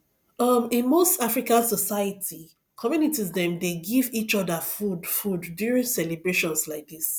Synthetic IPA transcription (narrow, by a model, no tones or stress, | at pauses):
ʌmĩnmostafɹikãnsɔsaɪətʰi | kʰɔmjunitizdɛ̃mdeɡivit͡ʃɔdəfudfudːjuɹĩnsɛlibɹeʃɔ̃nslaɪk̚dis